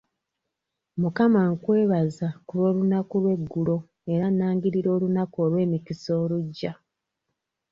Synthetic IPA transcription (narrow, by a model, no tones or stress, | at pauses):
mukamaŋkwe̞ːβazakuɾo̞ːlunakulwe̞ɡːulo̞ | e̞ɾanaːŋɡiɾiɾo̞ːlunakolwe̞ːmikiso̞ːluɟːa